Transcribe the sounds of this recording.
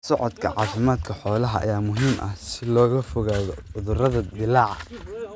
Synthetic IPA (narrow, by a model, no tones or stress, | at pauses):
sɔʕɔd̪kʰɐʕɑːfɪmaːd̪kʰɐħɔːlɐɦɐʔɐ̰jaːmʊɦiːmʔɐ̰hsɪlɔːɣɐfɔɣaːðɔʊðʊrɐðɐd̪ɪlɑːʕɑ